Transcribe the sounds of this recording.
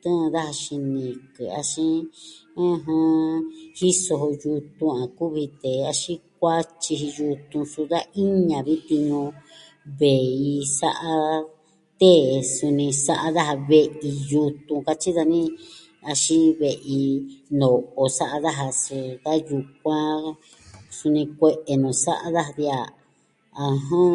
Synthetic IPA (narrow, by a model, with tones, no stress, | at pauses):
t̪ũ˦˧ða˦ha˧ʃi˧nĩ˨kɨ̰˨a̰˧ʃĩ˦ã˦˧ɦã˦hi˦so˧ɦo˧ju˧t̪ũ˧ã˨ku˦βi˧t̪e˨a˧ʃĩ˦k̚ʷa˦t͡ʃi˧ɦi˧ju˧t̪ũ˧su˧ða˦ʔi˦ɲã˨βi˦t̪i˧ɲõ˧ | βe˨i˧sa˦ʔa˧ | t̪e˦˨su˧nĩ˧sa˦ʔa˧ða˦ɦa˧βe˧ʔi˧ju˧t̪ũ˧ka˧t͡ʃi˦ða˧nĩ˦ | a˧ʃi˦βe˧ʔi˧no˨o˧sa˦ʔa˧ða˦ɦa˧si˧ða˦ju˧k̚ʷã˦ | su˧nĩ˧kʷe˧ʔe˨nũ˨sa˦ʔa˦ða˦ha˧ðja˦˨ | a˧ɦõ˦